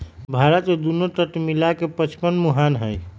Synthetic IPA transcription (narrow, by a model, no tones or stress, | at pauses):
bʱaɾət̪med̪unoʈəʈmilakepət͡ʃʰpənmuɦanɦəj